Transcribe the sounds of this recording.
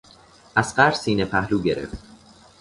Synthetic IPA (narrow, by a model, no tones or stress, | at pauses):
ʔæsɢæɾsiːnepʰæhluːɟe̞ɾḛft̪t̪